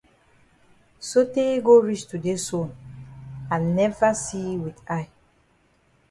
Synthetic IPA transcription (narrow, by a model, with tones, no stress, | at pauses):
so˦te˦ɡo˦ɹi˦t͡ʃtu˨de˦sõ˨n | ã˨nɛ˦va˦si˦wi˨ta˦j